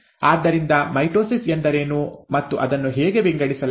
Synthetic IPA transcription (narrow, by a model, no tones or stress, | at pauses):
aːd̪ːɐɾind̪ɐmɐjʈɾoːsisend̪ɐɾeːnuːmɐt̪ːuʔɐd̪ɐnːuɦeːɡe̞biŋɡɐɽisɐl